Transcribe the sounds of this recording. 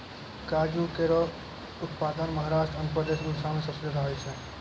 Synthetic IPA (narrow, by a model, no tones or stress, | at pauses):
kaːd͡ʒukeɾɔ | ʊt̪paːd̪ənmɐɦaːɾaːʃʈɾənpɾəd̪eːʃɡulsãmẽsəsəd̪ʱaːisʰeː